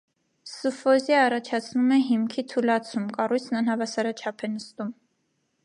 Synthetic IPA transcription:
sufɔziɑrɑt͡ʃʰɑt͡sʰnumɛɦimkʰit̪ʰulɑt͡sʰumkɑrujt͡sʰnɑnhɑvɑsɑɾɑt͡ʃʰɑpʰɛnəst̪um

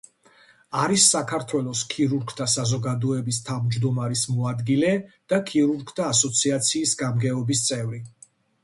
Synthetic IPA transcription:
aɾisːakʰaɾt̪ʰwɛlˠɔskʰiɾuɾɡt̪ʰasazɔɡad̪ɔɛbist̪ʰavmd͡ʒd̪ɔmaɾismɔad̪ɡilɛd̪̥akʰiɾuɾɡt̪ʰaːsɔt̪sʰiat̪sʰiːsɡamɡɛɔbist̪sʼɛvɾi

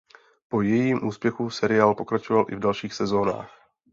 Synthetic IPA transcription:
po̞jɛjiːmʔuːspjɛxusɛɾɪaːlpo̞kɾat͡ʃovalʔɪvdalʃiːxsɛzo̞ːna̰ːx

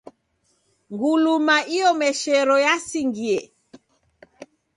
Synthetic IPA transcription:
ŋɡulumaʔiɔmɛʃɛɾɔjasiŋɡiɛ

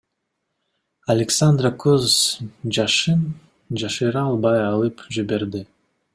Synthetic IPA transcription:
alʲɪksand̪rakʰøzd͡ʒɑʃɯn | d͡ʒɑʃɯɾɑɑlˠbɑjɑlˠɯpd͡ʒibe̞ɾd̪i

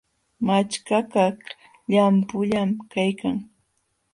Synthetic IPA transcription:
mat͡ʃkaka | ʎampʊʎamkajkaŋ

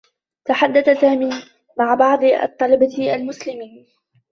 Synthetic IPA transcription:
t̪aħad̪ːaθasaːmiː | maʕbɑʕd̪ˤɑ̰t̪ˤːɑlɑbaalmʊslɪmiːn

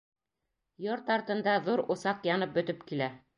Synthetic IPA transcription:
joɾt̪ɑɾt̪ɤ̆nd̪ɑðuɾŏsɑqjɑnɤp̚bɵ̆t̪ɵpkilæ

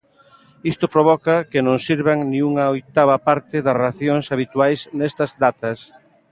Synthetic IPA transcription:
ist̪ʊpɾoβɔkɐkɪnõŋsiɾβaŋniuŋɐojt̪aβɐpaɾt̪ɪðɐsraθjoŋsaβit̪uajsnɛst̪ɐzd̪at̪ɐs

